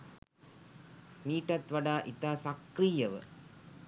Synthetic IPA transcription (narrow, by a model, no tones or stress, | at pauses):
miːʈɐt̪ʋaɖaːʔit̪aːsɐkɾijɐʋə̰